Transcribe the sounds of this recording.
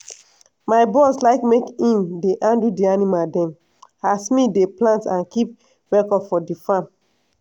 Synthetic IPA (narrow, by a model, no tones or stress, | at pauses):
maɪbɔslaɪkmekĩmdeʔãndidianimadɛ̃m | hasmideplãntãnkip̚ | wɛkɔfɔdifãm